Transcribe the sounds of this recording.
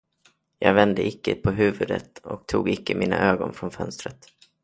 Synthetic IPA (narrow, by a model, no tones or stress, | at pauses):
jɑːɡvɛnd̪əʔɪkːəpʰɔɦʉ̟ːvɵd̪ə̰t̪ɔk̚t̪ʰuːɡɪkːəmʔiːna̰ʔøːɡɔnfɾɔnfœnst̪ɾət̪